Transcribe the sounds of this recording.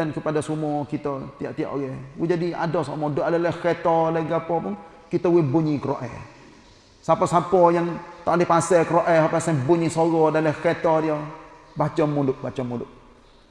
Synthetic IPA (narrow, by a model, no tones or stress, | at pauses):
ənkəpadasumɔkit̪ɔt̪ia̰ʔt̪ia̰ʔoɡɛwɪd͡ʒadia̰dɔsomɔdoʔalalakɛt̪ɔlaiɡapɔpʊŋ | kit̪əwɪbuɲikəɾo̰ʔɛ̰ | sapɔsapɔjaŋt̪aʔlipasɛkəɾoʔɛɦapasabuɲisoɣɔdaləkɛt̪ɔdiɔ | bat͡ʃɔmulʊʔbat͡ʃɔmulʊʔ